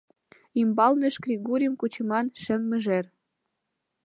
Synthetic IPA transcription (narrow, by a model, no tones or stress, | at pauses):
imbɑlnĕʃɡrʲiɣuɾʲəmkut͡ɕə̆mɑnʃɘ̆mːɘ̆ʒer